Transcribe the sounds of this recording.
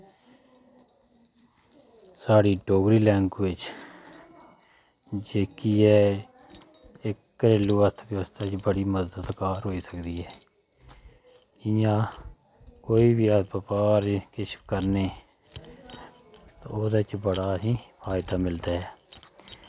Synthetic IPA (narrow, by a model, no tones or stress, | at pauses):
saːɽiːɖoːɡɾiːlɛ̃ːŋkʋɪt͡ʃ | d͡ʒeːkiːɦɛː | ɪkːəɾeluːət̪ʰʋjəʋəst̪aːt͡ʃbəɽiːməzdət̪kaːɾɦoːiːsəkd̪iːɦɛː | kɪjãː | koːiːbiːabəpaːɾkɪʃkəɾneː | t̪o̰ːoːd̪aːɪt͡ʃbəɽaːɦĩːpʰaːɪd̪aːmɪld̪aːɦɛː